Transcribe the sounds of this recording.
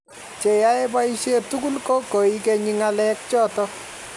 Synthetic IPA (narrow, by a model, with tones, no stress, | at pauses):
t͡ʃe˨ja˦e˦ba˦i˦ʃe˦tu˦ku˦lkɔ˦ko˨i˦kɛ˧ɲi˦ŋa˦lɛ˦k̚t͡ʃɔ˦tɔ˦